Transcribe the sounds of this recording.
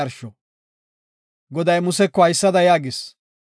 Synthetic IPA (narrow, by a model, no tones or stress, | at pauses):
ɐɾʃɔ | ɡɔd̪ɐjmʊsɛkːɔhɐjsːɐd̪ɐjaːɡɪs